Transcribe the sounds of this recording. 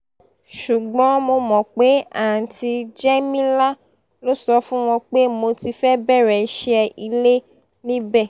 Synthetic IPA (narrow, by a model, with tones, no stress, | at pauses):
ʃu˨ɡ͡bɔ̃˨˦mo˧mɔ̃˨k͡pe˨˦a˨n̩˨ti˧d͡ʒɛ˦mĩ˦la˦ | lo˦sɔ˧fũ˦w̃ɔ̃˧k͡pe˦mo˧ti˧fɛ˦bɛ˦ɾɛ˨˦ʃɛ˧i˧le˦ | nĩ˦bɛ˦˨